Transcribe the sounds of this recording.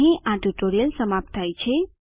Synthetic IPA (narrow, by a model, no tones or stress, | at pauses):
ɦĩʔãʈuʈoɾijəlsəmap̚t̪ʰajt͡ʃʰe